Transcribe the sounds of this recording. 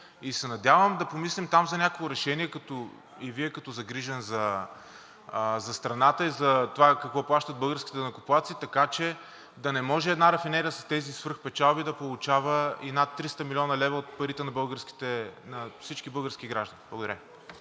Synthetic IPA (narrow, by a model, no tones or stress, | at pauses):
isɛnɐd̪ʲjavəmd̪ɐpomislimt̪amzɐnʲakolˠʊɾɛʃɛniɛkɐt̪ɔ | iviɛkɐt̪ɔzɐɡɾiʒɛnzɐ | zɐst̪ɾɐnat̪əizɐt̪ovakɐkvɔplˠaʃt̪ɐd̪̚bɤlˠɡəɾskʲit̪ɛdnɐkʊplˠat̪sit̪ɐkat͡ʃɛ | d̪ɐnɛmɔʒɛɛd̪naɾɐfinɛɾiəsɐst̪ɛzisvəɾxpɛt͡ʃalˠbid̪ɐpolˠʊt͡ʃavəinat̪ːɾist̪əmilʲɔnɐlɛvəot̪̚pɐɾit̪ɛnɐbɤlˠɡəɾski̥t̪ɛnɐfsit͡ʃkibɤlˠɡəɾskʲiɡɾaʒd̪ɐniblˠɐɡʊd̪ɐɾʲa